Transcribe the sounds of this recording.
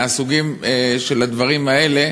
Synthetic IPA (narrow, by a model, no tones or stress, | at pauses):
asuɡimeʃe̞lad̪vaʁimae̞le̞